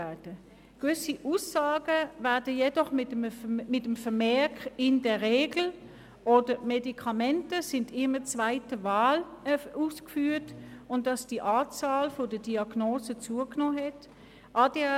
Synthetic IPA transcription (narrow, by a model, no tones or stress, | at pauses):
ɛdə | ɡ̥vʏsiʔuːsaːɡəvɛɐdəjɛdɔχmɪmɪtəmfəmɛɐkɪndɛɐʁeːɡl̩ | ʔodəmɛdikʰɑmɛntəsɪndɪmət͡sv̥aɪtəvaːluːskfyːɐtʊntdɑsd̥iʔaːt͡saːlfodədiɑɡ̥noːsət͡suːəknoːɦɛt | ʔɑd̥ɛ